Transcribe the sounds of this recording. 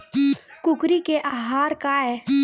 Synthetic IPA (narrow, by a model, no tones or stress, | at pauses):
kʊkɾikeʔaːɦaːɾkaɛː